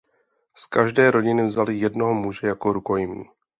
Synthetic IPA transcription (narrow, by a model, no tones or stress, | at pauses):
skaʒdɛːɾo̞ɟɪnɪvzalɪjɛdno̞ɦomuʒɛjakoɾuko̞jɪmḭː